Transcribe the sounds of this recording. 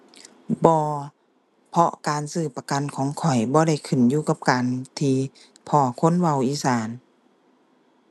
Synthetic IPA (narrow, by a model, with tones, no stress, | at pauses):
bɔː˧ | pʰɔ˧kaː˨nsɯː˧˩pa˧ka˨nkʰɔː˨˦ŋkʰɔ˨˩jbɔː˧˦ɾa˧˩jkʰɯ˨˩njuː˧ka˧p̚kaː˨nt̪ʰiː˧ | pʰɔː˧˩kʰo˧˥˨nwa˧˩˨wʔiː˧˦saː˨˩˦n